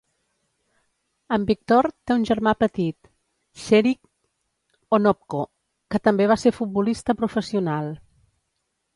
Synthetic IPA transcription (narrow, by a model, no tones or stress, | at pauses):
əmbik̚t̪ɔɾt̪eunʲʒəɾmapət̪it̪ | ʃɛɾik | onɔp̚ko | kət̪əmbeβaseɾfut̪̚bulist̪əpɾufəsiunalˠ